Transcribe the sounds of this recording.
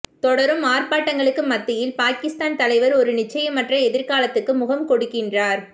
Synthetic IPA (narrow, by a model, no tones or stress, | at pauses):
t̪ɔɽɐɾɯmaːrpaːʈːɐŋɡɐɭɯkːɯmɐt̪ːɪjɪlpaːkɪst̪aːnt̪ɐlɐɪʋɐɾɔɾɯnɪt͡ʃːɐjɐmːɐʈrɐɛðɪɾkaːlɐt̪ːɯkːɯmʊɣɐmkɔɽɯkːɪndraːɾ